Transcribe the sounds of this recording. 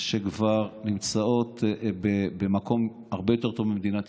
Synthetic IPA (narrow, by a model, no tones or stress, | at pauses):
ʃekvaʁnimt͡sao̞t̪bebemakʰo̞m | aʁbejo̞t̪e̞t̪ovbimed̪inat̪